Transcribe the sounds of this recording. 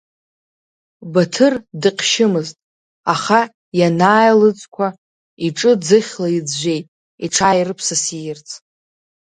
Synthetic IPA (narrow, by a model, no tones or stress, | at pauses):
batʰɨrdɨqʲʰʃɪmɨztʼ | aχa | janaːjlɨt͡sʼkʷʰa | iʈ͡ʂʼɨd͡zɨχʲlajid͡zʒʷe̞jtʼ | iʈ͡ʂʰajrɨpʰsasijɪrt͡sʰʼ